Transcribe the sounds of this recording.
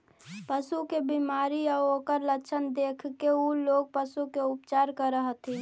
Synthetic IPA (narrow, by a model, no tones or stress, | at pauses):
pəsukebimaːɾiaokəɾləkt͡ʃʰənd̪eːkʰkeuloːɡ̚pəsukeʊpt͡ʃaːɾkəɾəɦət̪ʰi